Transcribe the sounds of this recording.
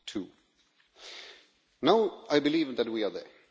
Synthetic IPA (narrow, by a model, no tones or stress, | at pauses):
tʰu | naʊaɪbɪliːvðət̚wiə˞ðɛ̰˞